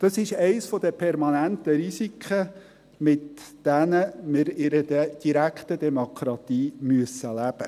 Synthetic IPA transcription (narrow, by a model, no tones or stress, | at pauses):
d̥ɑsɪʃɛɪsfɔd̪əpʰɛɾmɑnænt̪əɾisikʰχə | mɪtd̥ænəmɪɾɪɾədəd̥iɾækχt̪ədɛmokʰɾɑt̪iːmyəsəlæb̥ə